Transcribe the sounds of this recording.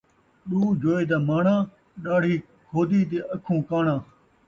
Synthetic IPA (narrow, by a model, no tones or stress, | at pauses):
ɗuːd͡ʒʱoːeːd̪aːmaːɳãː | ɗaːɽ̤iː | kʰoːd̪iːt̪̬eːʔəkʰũːkaːɳãː